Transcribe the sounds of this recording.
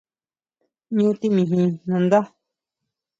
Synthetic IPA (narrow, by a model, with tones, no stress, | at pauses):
ɲũ˦t̪i˦mĩ˧˨ɦĩ˧nũ˧nd̪a˦